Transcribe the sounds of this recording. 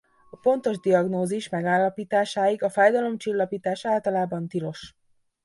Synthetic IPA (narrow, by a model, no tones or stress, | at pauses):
ɒpo̞nt̪o̞ʒd̪iɒɡnoːziʃmɛɡaːlːɒpiːt̪aːʃaːjiɡɒfaːjd̪ɒlo̞mt͡ʃilːɒpiːt̪aːʃaːlt̪ɒlaːbɒnt̪ilo̞ʃ